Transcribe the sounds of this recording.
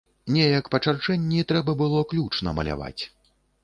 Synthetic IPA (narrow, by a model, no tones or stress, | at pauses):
nʲɛjɐkpɐt͡ʂart͡ʂɛnʲːit̪ɾɛbɐbɨlˠɔklʲut͡ʂnɐ̰mɐ̰lʲa̰va̰t͡sʲ